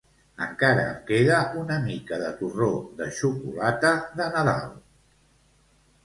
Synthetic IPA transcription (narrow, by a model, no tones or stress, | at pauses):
ə̰ŋkaɾə̰ːmkeðəunəmikəðət̪uroðəʃukulat̪əðənəða̰lˠ